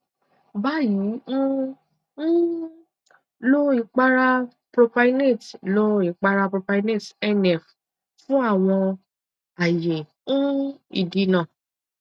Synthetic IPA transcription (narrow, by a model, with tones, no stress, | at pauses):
ba˨˦ji˨˦n̩˦ | lo˦i˨˦k͡pa˦ɾa˧ | pɾo˧pa˧˦ne˦˨tlo˦i˨˦k͡pa˧ɾa˧pɾo˧pa˧i˦ne˦˨tɛ˦nɛ˨f | fũ˦a˦˨w̃ɔ̃˧ | a˨je˨ | ũ˦ḭ˦˨di˧˦nã˦˨